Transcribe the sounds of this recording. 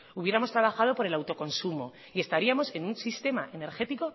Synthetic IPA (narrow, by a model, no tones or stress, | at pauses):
uβje̞ɾamo̞st̪ɾaβ̞axað̞o̞poɾe̞lawt̪o̞ko̞nsumo̞ | ie̞st̪aɾiamo̞se̞nunsist̪e̞maʔe̞ne̞ɾxe̞t̪iko̞